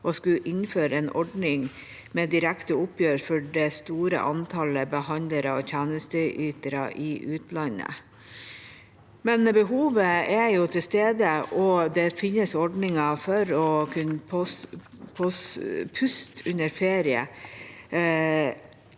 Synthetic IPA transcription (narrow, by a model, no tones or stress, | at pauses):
ʔɔskʉʔɪnføːɾəeːnʔɔɖnɪŋ | meːd̪ɪɾækt̪əʊpjøːɾfɔɖɛst̪uːɾə̰ʔɑnt̪ʰɑləbəhɑnd̪ləɾəɔçʰæːnəst̪əʔyːt̪əɾɑ̰ʔɪʔʉːt̪lɑnə̰ | mɛnbəɦuːʋəɛɾjʊt̪ʰɪlst̪eːd̪əʔɔd̪ɛfɪnːəsɔɖnɪŋɑfɔɾɔkʰʉnpʰɔ | pʰɔspʰʉst̪ʰʉnəɾfeːɾɪə̰